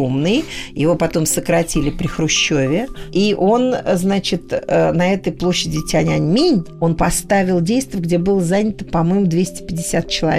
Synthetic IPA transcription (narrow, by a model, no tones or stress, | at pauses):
umnɨjjɪvo̞pɐt̪o̞msəkɾɐtʲilʲɪpɾʲɪxɾʊɕːovʲɪiʔo̞nznat͡ɕɪt̪ənɐɛt̪əjplˠo̞ɕːɪdʲɪtʲɪɐnʲanʲmʲinʲo̞npɐst̪avʲɪlˠdʲejst̪vʲəɡdʲe̞bɨlˠəzanʲɪt̪ə̥pɐmojmʊd̪vʲesʲtʲɪ̥pʲɪdʲːɪsʲat̪̚t͡ɕɪlˠɐ̰